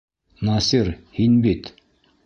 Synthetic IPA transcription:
nɑsirhinbet̪

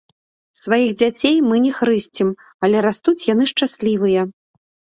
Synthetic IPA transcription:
svajiɣd͡zʲat͡sʲejmɨnʲɛxɾɨsʲt͡sʲim | ɐlʲɛɾast̪ut͡sʲjanɨʂt͡ʂasʲlʲivɨjɐ

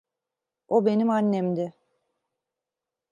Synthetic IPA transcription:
o̞be̞nimanːemd̪ɪ

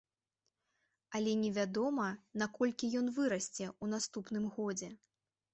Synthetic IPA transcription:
ɐlʲɛnʲɛvʲad̪ɔmɐnakɔlʲkʲijɔnvɨɾɐsʲt͡sʲɛun̪ast̪upn̪ɨmɣɔd͡zʲɛ

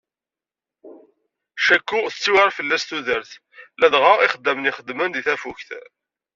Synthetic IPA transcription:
ʃækːuθət͡sːiwaɾˤfəlːæst̪uðəɾθ | læðʁaiχəd̪ːəməniχəd̪mənðiθæfuçθ

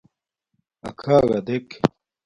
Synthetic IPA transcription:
ɐ̰kʰaːɣɐd̪ek

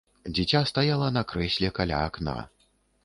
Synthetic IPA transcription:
d͡zʲit͡sʲast̪ajalˠɐnɐkɾɛsʲlʲɛkalʲa̰ːkna̰

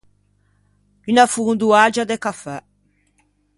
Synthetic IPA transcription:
ynafuund̪uad͡ʒad̪ekafɛ

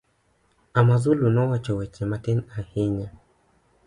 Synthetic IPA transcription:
amazulunɔwat͡ʃɔwɛt͡ʃɛmatinahiɲa

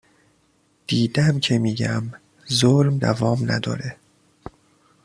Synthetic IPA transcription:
d̪̥iːd̪æmcʰe̞miːɟæm | zolmd̪ævɒːmnæ̰d̪ɒ̰ːɾe

